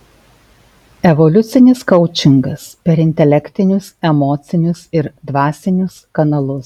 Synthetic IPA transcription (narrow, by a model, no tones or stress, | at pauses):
ɛʋɔlʲʊt̪sʲɪnʲɪskɐʊt͡ʃʲɪŋɡɐspʲɛɾɪnʲt̪ʲɛlʲɛkʲt̪ʲɪnʲʊsɛmɔːt̪sʲɪnʲʊsɪɾd̪ʋɑːsʲɪnʲʊskɐnɐlˠʊs